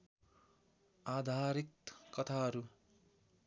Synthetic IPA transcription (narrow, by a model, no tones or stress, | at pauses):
ad̪ʱaɾikkʌt̪ʰaɦʌɾu